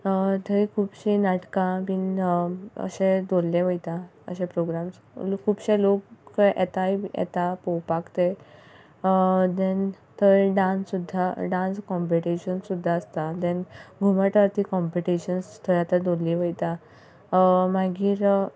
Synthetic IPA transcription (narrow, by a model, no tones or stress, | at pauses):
t̪əikʰuːbɕinaʈkãmin | ə̰ɕẽd̪ollẽʋəjt̪aə̰ɕẽpɾoɡɾams | kʰuːbɕẽlokːʔɛ̰t̪ajɛ̰t̪apowpakt̪e | d̪ɛn | t̪əɖãnsːud̪ʱːaɖãnskɔmpiʈiɕənsud̪ʱːaəst̪ad̪ɛ̃nɡʱuməʈəɾt̪ikɔmpiʈiɕənst̪ʰəɭjat̪əd̪olliʋəjt̪a | maɡiːɾ